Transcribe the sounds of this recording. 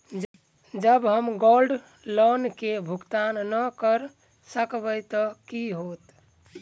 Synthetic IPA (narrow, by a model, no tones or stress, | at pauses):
d͡ʒəbɦəmɡolɖ | lənkebʱuɡt̪annəkəɾ | səkbəjt̪əkiɦot̪